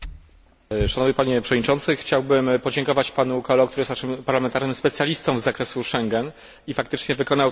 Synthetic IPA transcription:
ʂanɔvɲepaɲɛpʂɛvɔdɲit͡ʂɔnt̪sɘxt͡ɕawbɘmpɔd͡ʑɛŋkɔvat͡ɕpanukɔlɔkt̪uɾɘjɛsaʂɘmpaɾlamɛnt̪aɾnɘmspɛt̪sʲjalʲist̪ɔ̃w̃vzakɾɛsuʂɛŋɡɛn | ifakt̪ɘt͡ʂɲɛvɘkɔnaw

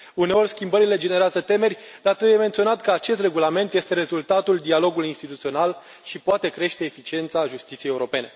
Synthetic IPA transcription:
uneo̞rʲskʲimbəɾile̞d͡ʒe̞ne̞ɾeazət̪e̞me̞rʲ | d̪̥at̪ɾebuje̞me̞nt̪sio̞nat̪kəat͡ʃe̞st̪re̞ɡulame̞nt̪je̞st̪e̞ɾe̞zult̪at̪uld̪ialo̞ɡuluiinst̪it̪ut̪sio̞nal | ʃipoat̪e̞kɾe̞ʃt̪e̞ːfit͡ʃie̞nt̪saʒust̪it̪sijejeuɾo̞pe̞ne̞

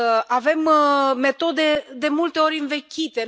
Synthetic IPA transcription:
ave̞mːe̞t̪o̞d̪e̞d̪e̞mult̪e̞o̞ɾʲɨnve̞kʲit̪e̞

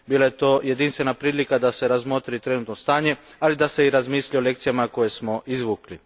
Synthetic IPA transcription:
biːlaje̞t̪o̞ːje̞d̪inst̪ʋe̞napɾiːlikad̪ase̞ɾazmo̞t̪ɾit̪ɾe̞nut̪nost̪aːɲe̞alid̪ase̞iɾazmiːsʎiole̞k̚t̪sijamako̞je̞smo̞ʔizʋukli

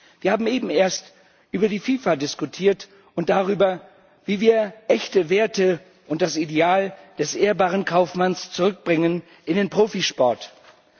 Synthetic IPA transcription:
v̥iːɐhaːbm̩ʔeːbm̩eːɐst | ʔyːbɐdiːfiːfadɪskutʰiːɐt | ʔʊnt̚d̥aʁyːbɐ | viːviːɐʔɛçtəveːɐtə | ʔʊnt̚d̥asideaːld̥ɛsʔeːɐbaːʁənkʰaʊfmanst͡suʁʏk̚b̥ʁɪŋən | ʔɪndeːnpʁ̥oːfiʃpɔɐt

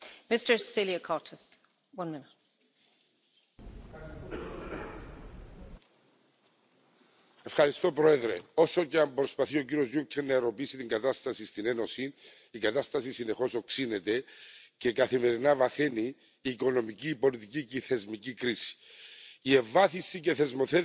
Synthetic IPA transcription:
mɪstə˞ssiliəkʰɑɹtʰəs | wʌ̃nmɪnɪt̚ | e̞fxɐɾist̪o̞pɾoe̞ðɾe̞o̞so̞ceɐmbɾo̞spɐθio̞ciɾio̞zʝucʰenːɐeɾo̞piisit̪iŋɡɐt̪ɐst̪ɐsist̪ine̞no̞sin | ikɐt̪ɐst̪ɐsisine̞xo̞so̞ksine̞t̪e̞ce̞kɐθime̞ɾinɐvɐθe̞niː | ko̞no̞miciːpo̞lit̪iciceiθe̞zmicikɾisi̥ie̞ɱvɐθisːice̞θe̞zmo̞θe

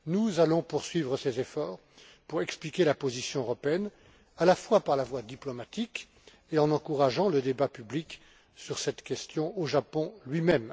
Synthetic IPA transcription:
nuzalɔ̃puʁsɥivʁəsezefɔːʁ | puʁɛksplikʲelapozisjɔ̃øʁɔpeɛn | alafwapaʁlavwad̪iplɔmat̪ik | eɑ̃nɑ̃kuʁaʒɑ̃ləd̪ebapyblik | syʁsɛt̪kʲɛst̪jɔ̃oʒapɔ̃lɥimɛm

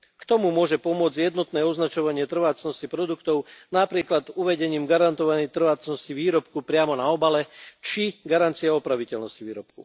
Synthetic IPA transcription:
kt̪ɔmumʊɔʒɛpɔmʊɔd͡zɟjɛd̪nɔt̪nɛːɔznat͡ʃɔʋaɲɪɛt̪r̩ʋaːt͡snɔscipɾɔd̪ukt̪ɔʊnapɾiːklad̪uʋɛɟɛɲiːmɡaɾant̪ɔʋaɲɛjt̪r̩ʋaːt͡snɔsciʋiːɾɔp̚kupɾɪamɔnaɔbalɛt͡ʃiɡaɾant͡siaɔpɾaʋicɛlnɔsciʋiːɾɔp̚kṵ

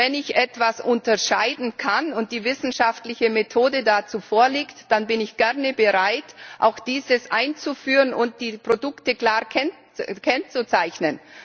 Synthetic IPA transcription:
vɛnɪçʔɛtv̥asʔʊntɐʃaɪdn̩kʰanʊnt̚d̥iːvɪsn̩ʃaftlɪçəmetʰoːdədat͡suːfoːɐliːktd̥anbɪnɪçɡ̥ɛʁnəbəʁaɪtʔa̰ʊxd̥iːzəsʔaɪnt͡sufyːʁənʊnt̚d̥iːpʁ̥odʊktəkl̥aːʁkʰɛn | kʰɛnt͡sut͡saɪçnən

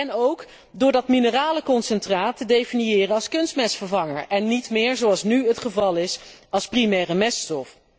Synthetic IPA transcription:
ɛnowk | dʊːɹdɑtminəraːləkɔnsɛntraːtədejfiniɪːrənɑlˠskɵnstmɛsfəɹvɑŋəɹʔɛnːitmɪːɹzowɑlˠsnyɦətχəvɑlˠɪsɑlˠsprimɛːrəmɛstɔf

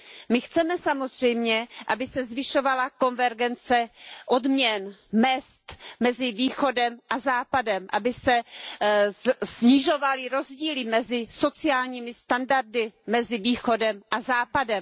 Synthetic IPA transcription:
mɪxt͡sɛmɛsamo̞zr̝ɛjmɲɛʔabɪsɛzvɪʃovalako̞nvɛɾɡɛnt͡sɛʔodmɲɛnmɛst̪mɛzɪviːxo̞dɛmʔazaːpadɛmʔabɪsɛ | sɲiʒo̞valɪɾo̞zɟiːlɪmɛzɪso̞t͡sɪaːlɲiːmɪst̪andaɾdɪmɛzɪviːxo̞dɛmʔazaːpadɛm

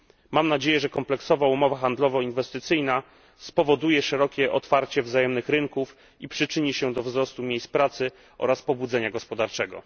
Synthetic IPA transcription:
mamnad͡ʑejɛʐɛkɔmplɛksɔvaumɔvaxand̪lɔvɔinvɛst̪ɘt̪sɘjna | spɔvɔd̪ujɛʂɛɾɔkʲɛʔɔt̪faɾt͡ɕɛvzajɛmnɘxɾɘŋkuf | ipʂɘt͡ʂɘɲiɕɛd̪ɔvzɾɔst̪umʲjejs̚pɾat̪sɘ | ʔɔ̰ɾaspɔbud̪zɛɲaɡɔspɔd̪aɾt͡ʂɛɡɔ̰

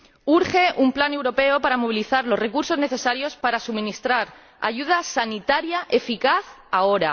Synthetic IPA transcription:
uɾxe̞ʔumplane̞wɾo̞pe̞opaɾamo̞β̞iliθaɾlo̞zre̞kuɾso̞zne̞θe̞saɾjo̞spaɾasumĩnist̪ɾaɾ | a̰ʝuð̞asanit̪aɾjaʔe̞fikaθ | ao̞ɾa

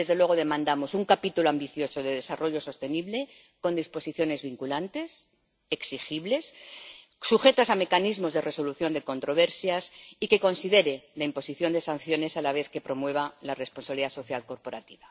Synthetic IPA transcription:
e̞zðe̞lwe̞ɣ̞o̞ðe̞mãnd̪amo̞suŋkapit̪uloambiθjo̞so̞ðe̞ðe̞saro̞ʎo̞so̞st̪e̞niβle̞ | ko̞nd̪ispo̞siθjo̞ne̞zβiŋkulant̪e̞s | e̞ksixiβle̞s | suxe̞t̪asame̞kanizmo̞zðe̞re̞so̞luθjo̞nd̪e̞ko̞nt̪ɾo̞β̞e̞ɾsjasike̞ko̞nsiðe̞ɾe̞laimpo̞siθjo̞nd̪e̞san̟θjo̞ne̞salaβ̞e̞θke̞pɾo̞mwe̞β̞alare̞spo̞nsaβliðaso̞θjalko̞ɾpo̞ɾat̪iβa

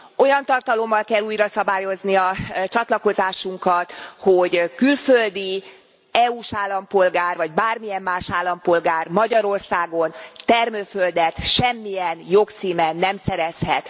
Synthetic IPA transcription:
o̞jɒnt̪ɒrt̪ɒlo̞mːɒlkɛlːuːjrɒsɒbaːjo̞zniɒt͡ʃɒt̪lɒko̞zaːʃuŋkɒt̪ho̞ɟkylføld̪i | ɛuːʃaːlːɒmpo̞lɡaːrvɒɟbaːrmijɛmːaːʃaːlːɒmpo̞lɡaːrmɒɟɒɾo̞rsaːɡo̞nt̪ɛrmøːføld̪ɛt̪ʃɛmːijɛnjokt̪siːmɛnːɛmsɛɾɛshɛt̪

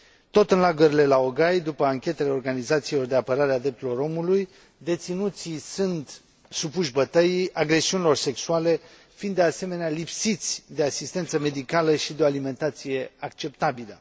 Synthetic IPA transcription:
t̪o̞t̪ɨnlaɡuɾile̞lao̞ɡajd̪upəaŋkʲe̞t̪e̞le̞o̞rɡanizat̪silo̞rd̪eapəɾaɾead̪ɾep̚t̪ulo̞ɾo̞muluj | d̪e̞t̪sinut̪sisunt̪ | supuʃbət̪əjiaɡɾe̞siunilo̞rse̞ksuale̞ | find̪ease̞me̞nealipsit̪sʲd̪e̞asist̪e̞nt̪səme̞d̪ikaləʃid̪eoalime̞nt̪at̪sije̞akt͡ʃe̞pt̪abilə

